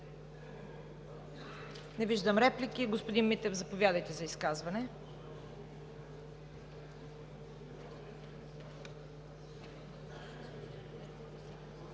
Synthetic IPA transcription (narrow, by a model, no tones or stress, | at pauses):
nɛviʒd̪əmɾɛplikiɡospod̪inmit̪ɛvzɐpovʲjad̪əjt̪ɛzɐiskazvɐnɛ